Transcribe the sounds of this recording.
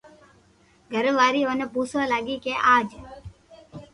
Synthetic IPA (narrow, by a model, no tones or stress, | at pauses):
ɡʱəɾʋaːɾiːoːneːpuːsʋãːlaːɡiːkeʔaːd͡ʒ